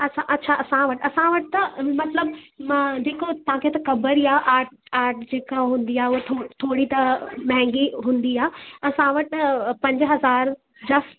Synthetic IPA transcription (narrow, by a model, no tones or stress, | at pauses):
ɐsʰãʔɐtːɕʰaɐsãʋɐʈɐsãʋɐʈɪt̪ɐmɐt̪ləbmãd͡ʑeːkot̪ɐʋ̤ãkʰet̪ɐkɐbəɾiaːʔaːɾʈaːɾʈd͡ʑeːkaɦũːnd̪iaːɦeʊɦet̪ʰot̪ʰoːɽit̪ɐmɐ̃ɦɛ̃ŋɡiɦũːnd̪iaːɐsãʋɐʈpɐ̃ɲd͡ʑɦɐzaːɾ | d͡ʑɐsʈ